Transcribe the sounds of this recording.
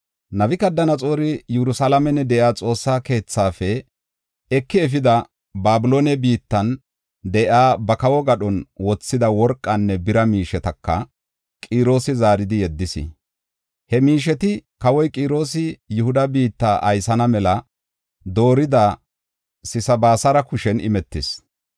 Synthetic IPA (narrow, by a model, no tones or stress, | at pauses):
nɐbɪkɐd̪ːɐnɐt͡sʼo̞ːɾɪjɛɾʊsalɐmɛnːɛd̪ɛʔaːt͡sʼo̞ːsːaːke̞ːt͡sːaːfɛ | ɛkːɪɛf̬ɪd̪ɐ | baːbɪlo̞ːnɛbiːt̪ːɐn | d̪ɛʔaːbɐkɐwɔɡɐɗɔnwɔt͡sːɪd̪ɐwɔɾkʼːɐnːɛbɪɾɐmiːʃɛt̪ɐkːɐ̰ | kʼiːɾo̞ːsɪzaːɾɪd̪ɪjɛd̪ːɪsɪ̰ | hɛmiːʃ̬ɛt̪ɪkɐwɔjkʼiːɾo̞ːs̬ɪjʊhʊd̪ɐbiːt̪ːaːʔɐjsɐnɐmɛlɐ | d̪o̞ːɾɪd̪ɐ | sɪsɐbaːsɐɾɐkʊʃɛnɪ̰mɛt̪ːɪs